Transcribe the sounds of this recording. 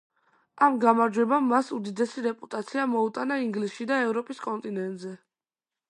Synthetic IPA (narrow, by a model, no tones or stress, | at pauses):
amɡamaɾd͡ʒwɛbamːasud̪id̪ɛsiɾɛpʼut̪ʼat̪sʰiamɔut̪ʼanaiŋɡlisʃid̪aɛvɾɔpʼiskʼɔnt̪ʼinɛnt̪ʼzɛ